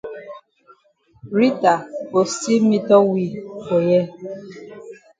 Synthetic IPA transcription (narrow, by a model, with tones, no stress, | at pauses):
ɾi˦ta˨o˨si˦mi˦tɔ˦wi˦˨ko˨jɛ˦